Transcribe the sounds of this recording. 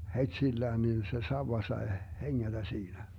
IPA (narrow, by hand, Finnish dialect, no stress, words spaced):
hetsilːæːn nin se sɑuwɑ sɑe heŋːætæ siːnæ